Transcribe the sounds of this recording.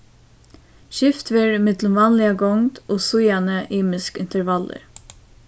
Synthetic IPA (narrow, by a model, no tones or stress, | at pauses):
ʃɪft̪ʋɪɾmɪd̪ləmʋɑːnlɪəɡɔŋd̪ʔoːsʊjɑnəʔiːmɪskɪnt̪əɾʋɑlə̰ɾ